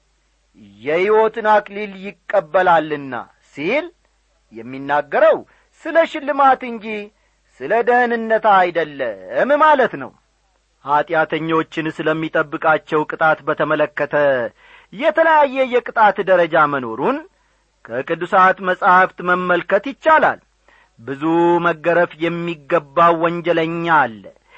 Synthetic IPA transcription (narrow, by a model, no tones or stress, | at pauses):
jɛhiwo̞t̪ɨnakʼliljɪkʼːəbːəlalːɨnːa̰ | sil | jɛmːinːaɡːəɾəw | sɨləʃɪlːɨmat̪ɨɲd͡ʒi | sɨləd̪ənɨnːət̪aajd̪əlːəmmalət̪nə̰w | hat̪ʼjat̪ʰəɲːo̞t͡ʃːɪnsɨləmːit̪ʼəbːɨkʼat͡ʃːɛwkʼɨt̪ʼat̪bət̪ʰəmələkːət̪ʰə | jɛt̪ʰələjajːɛjɛkʼɨt̪ʼat̪d̪əɾəd͡ʒaməno̞ɾun | kʰəkʼɨd̪ːusat̪məsʼhaft̪məmːəlkət̪jɪt͡ʃːala̰l | bɨzuməɡːəɾəfjɛmːiɡːəbːawwɔɲd͡ʒɛləɲːal